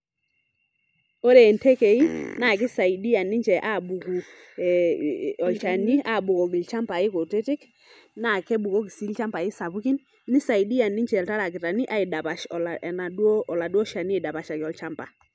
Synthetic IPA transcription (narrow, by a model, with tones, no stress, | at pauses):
ɔ˦ɾɛ˨ntɛ˦ke˨i˦na˦˨kɪ˦sa˨i˨di˦a˨nɪ˦t͡ʃɛ˨ʔa˦˨bu˨ku˨ | ɔ˨lt͡ʃa˨ni˦a˦˨bu˨kɔ˨ɡɪ˨lt͡ʃa˦mpa˨ɪ˦ko˨te˦tɪ˦k | na˨kɛ˦bu˨ko˦k̬i˨si˦lt͡ʃa˦mpa˨ɪ˦sa˨βu˦ki˦nː | ɪ˦sa˨i˨di˦ja˨nɪ˦ɲt͡ʃɛ˨lta˦ɾa˨k̬ɪ˨ta˨ni˦ʔa˦i˨da˨pa˨ʃɔ˨la˨na˨dwɔ˦ɔ˨la˨dwɔ˦ʃa˨ni˦ɪ˨da˨pa˨ʃa˨kɪ˨ɔ˨lt͡ʃa˦mpa˨